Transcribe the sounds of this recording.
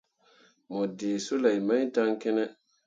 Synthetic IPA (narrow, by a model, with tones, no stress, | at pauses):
mɔ˨dɪː˨sʊ˦la˨i˨ma˦i˦da˦ŋkɪ˦nɛ˦